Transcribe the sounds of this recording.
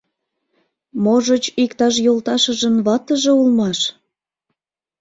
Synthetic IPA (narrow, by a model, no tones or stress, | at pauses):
moʒət͡ɕikt̪ɑʃ̬jolt̪ɑʃə̆ʒə̆nβɑt̪əʒeulmɑʃ